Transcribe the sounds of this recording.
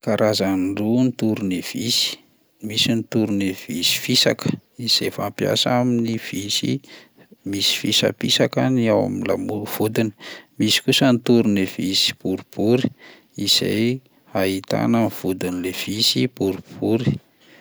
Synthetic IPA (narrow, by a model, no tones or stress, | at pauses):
kaɾʔazanɖ͡ʐunit̪uɾunev̥isi̥ | misinit̪uɾunev̥ḭsi̥fisa̰kə̥iz̥ejfampja̰saminiv̥isḭ | misi̥fisa̰pisakaniawa̰minla̰muv̥ud̪ini̥misi̥kusənt̪uɾunev̥isi̥buɾib̥uɾi̥ | iz̥a̰j | ait̪a̰nanv̥ud̪inilev̥isipuɾub̥uɾi